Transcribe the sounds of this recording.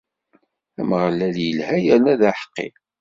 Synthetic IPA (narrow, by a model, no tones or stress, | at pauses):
æmʁlːæljəlhæjænæðæħə̥qːɪ̰